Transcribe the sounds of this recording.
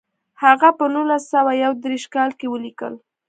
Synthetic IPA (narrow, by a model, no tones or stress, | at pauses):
haɣapənulasːawajawd̪ɾeʃkɑlkewəlikə̰l